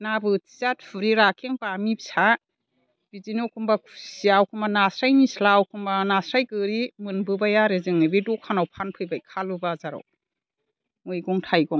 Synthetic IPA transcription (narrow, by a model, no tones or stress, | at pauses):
nabɯti̥zat̚pʰɯɾiɾakʰeŋpamipsa | bizinɔwkʰɯmbakʰu̥siawkʰɯmbanasɾajnislawkʰɯmbanasɾajkɯɾimɯnbɯbajaɾezɯŋɯbedɔkʰanawpʰanpʰɯjbajkʰalɯbazaɾɔ̰w | mɯjɡɔŋtʰajɡɔŋ